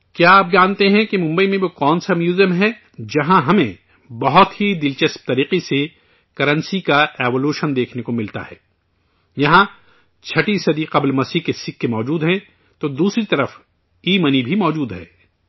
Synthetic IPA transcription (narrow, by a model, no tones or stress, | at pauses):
kjaaːp̚d͡ʒãːnt̪eɦɛ̃kemʊ̃mbəimẽbokɔːnsamjuːzəmɦɛ | d͡ʒɐɦãɦɐmẽ | bɐɦʊt̪ɦid̪ɪlt͡ʃɐsp̚t̪ɐɾiːqese | kɐɾə̃nsikaɛːʋoluːʃənd̪eːkʰnekomɪlt̪a̰ɦɛ̰ː | jɐɦã | t͡ʃʰɐʈisɐd̪iqɐblmɐsiːkesɪkːemɔːd͡ʒuːd̪ɦɛ̃ | t̪od̪uːsɾit̪ɐɾəf | iːmənibʱimɔːd͡ʒuːd̪ɦɛ̰ː